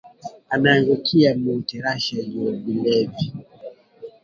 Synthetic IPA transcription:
anaːŋɡukʰiamutɛɾaʃad͡ʒɔbilɛvi

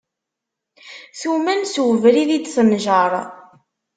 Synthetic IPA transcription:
θumænswəvɾiðid̪θənʒɑɾˤ

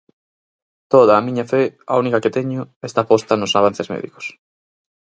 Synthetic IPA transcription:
t̪oð̞aːmĩɲafea̰unikaket̪eɲʊest̪apost̪anʊsaβ̞anθezmḛðḭko̥s

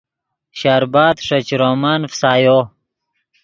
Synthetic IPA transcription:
ɕaːɾbaːt̪ʂɐt͡ɕɾoːmanfsaːjo

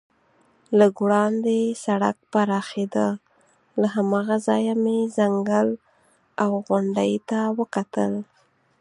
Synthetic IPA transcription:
laɡɽɑnd̪esaɽa̰k̚paɾɑxed̪a | laɦamɑɣazɑjamezaŋɡəl | awɣʊɳɖajt̪awəkat̪əl

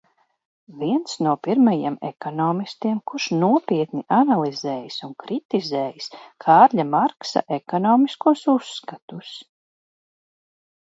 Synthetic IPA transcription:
viɛnt̪snuɔpiɾmajimɛ̰kɔnɔːmist̪iɛmkuʃnuɔpiɛt̪niʔanalˠizɛːjisunkɾit̪izɛːjiskʰaːɾʎamaɾksa̰ʔekɔnɔːmiskuɔsusːkat̪us

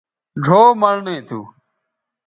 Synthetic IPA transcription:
ɖʱoːməɳ̤ɳẽːt̪ʰṵː

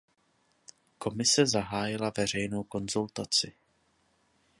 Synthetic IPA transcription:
ko̞mɪsɛzaɦaːjɪlavɛr̝ɛjno̞wko̞nzult̪at͡sɪ

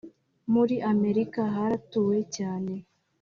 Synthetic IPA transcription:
muɾiʔame̞ɾikaɦaɾatuːwe̞caːne̞

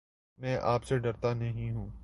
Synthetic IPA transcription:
mɛ̃ːʔaːpseɖɐɾt̪anɐɦĩɦũː

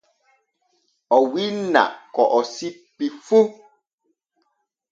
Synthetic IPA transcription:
ɔwina̰kɔʔɔsik͡pifu

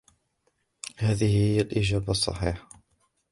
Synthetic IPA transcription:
haːðɪhhɪjːalʔɪd͡ʒaːbsˤːɑ̰ħiːħ

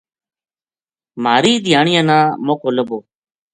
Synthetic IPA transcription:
maːɾiːd̪ʱɪjaːɳɪjãːnãːmoːkoːləboː

